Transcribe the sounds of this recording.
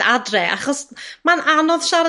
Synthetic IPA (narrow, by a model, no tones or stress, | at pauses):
adrɛʔa̰χɔsmanʔanɔðʃaɾ